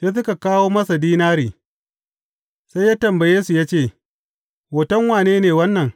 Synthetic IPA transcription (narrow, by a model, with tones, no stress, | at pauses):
t͡ʃeː˦s̬ʊ˦ka˨kaː˦woː˦mɐ˦sa˨diː˦naː˦ɾiː˨ | sa˦jaː˦tɐ˨mbɐ˨jeː˦su˨jaː˦t͡ʃeː˦˨ | wɐ˨tɐ˦ŋwaː˨neː˦neː˨wɐ˦nːɐ˨ŋ